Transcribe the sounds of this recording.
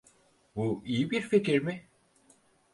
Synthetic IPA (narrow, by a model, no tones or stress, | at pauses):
buijibiɾfecʰiɾmi